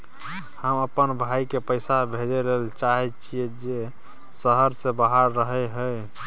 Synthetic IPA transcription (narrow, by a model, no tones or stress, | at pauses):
həməpənbʱaikepəjsabʱed͡ʒeɾeɦlt͡ʃaɦɛt͡ʃʰijed͡ʒe | səɦəɾsẽbaɦaɾːəɦəɦəj